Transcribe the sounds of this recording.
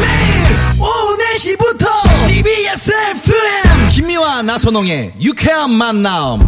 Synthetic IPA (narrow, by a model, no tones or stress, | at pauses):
me | oneɕʰibutʰɔibiesepʰuemkimːiwanasʰonoŋejukʰeamːanːaɯ̰m